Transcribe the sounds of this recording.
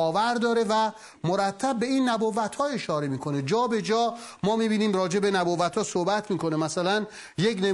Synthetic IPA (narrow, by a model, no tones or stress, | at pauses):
ɒːvæɾd̪ɒːɾevæ | moɾæt̪ʰːæb̚ːe̞iːnːæbovːæt̪hɒːe̞ʃɒːɾe̞miːkʰo̞ned͡ʒɒːbe̞d͡ʒɒːmɒːmiːbiːniːmrɒːd͡ʒe̞benæboːvæt̪hɒːsohbæt̪ʰmiːkʰo̞nemæsælæn | jekne